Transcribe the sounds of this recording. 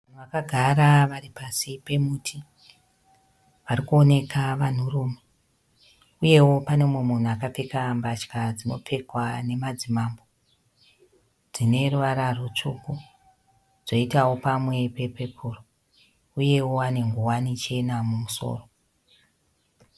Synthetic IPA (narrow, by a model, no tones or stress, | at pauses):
an̤uʋakaɡʱaɾaʋaɾipasipe̞muːtʰi | ʋaɾikuo̞ne̞kaʋan̤uruːme | uje̞wo̞pane̞mwemun̤uakap͡fekambat͡ʃkad͡zino̞̰p͡fe̞kwane̞mad͡zimambo̞ | d͡zine̞ruʋaɾarut͡ʂuku | d͡zo̞itawo̞pamwe̞pe̞pe̞pʰuro | uje̞wo̞ane̞ŋɡuwanit͡ʃe̞namumuso̞̰ːro